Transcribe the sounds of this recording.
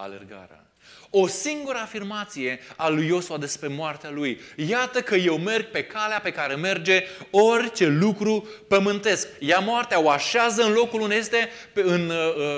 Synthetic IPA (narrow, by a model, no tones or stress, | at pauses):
a̰lḛrɡa̰ɾea̰ | o̞siŋɡuɾəafirmat̪sije̞alujo̞suad̪e̞spɾe̞moart̪ealujjat̪əkəje̞wme̞rɡ̚pe̞kaleape̞kaɾe̞me̞rd͡ʒe̞o̞rʲt͡ʃe̞lukɾupəmɨnt̪e̞skjamoart̪eaoaʃeazəɨnlo̞kulund̪eje̞st̪e̞ | ɨn